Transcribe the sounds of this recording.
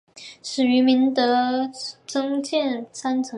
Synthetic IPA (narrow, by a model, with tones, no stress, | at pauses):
ʂɻ̩˨˩y˧˥mi˧˥nt̪ɤ˧˥ | t͡sɤ˥ŋt͡ɕjɛ˥˩nt͡sʰa˥nt͡sʰɤ˧˥